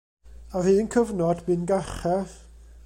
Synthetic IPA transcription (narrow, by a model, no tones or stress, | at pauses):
ar̥hɨːnkʰəvnɔdbɨːnɡaχɛ